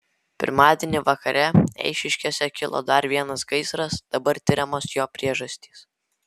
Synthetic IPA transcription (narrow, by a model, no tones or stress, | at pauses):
pʲɪ̰ɾmɑːd̪ʲɛnʲɪʋɐkɐɾʲɛɛ̰ɪʃʲɪʃʲkʲoːsʲɛkʲɪlˠo̰ːd̪ɐɾʋʲiɛnɐsɡɐɪsɾɐsd̪̥ɐbɐɾt̪ʲɪɾʲɛmoːsjoːpʲɾʲiɛʒɐsʲt̪ʲiːs